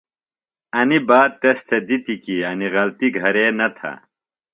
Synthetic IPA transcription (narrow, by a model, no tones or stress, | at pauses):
ɐnibaːd̪̚t̪ɐst̪ʰed̪it̪ikiɐniɣɐlt̪iɡʱɐɾeːnɐt̪ʰɐ̰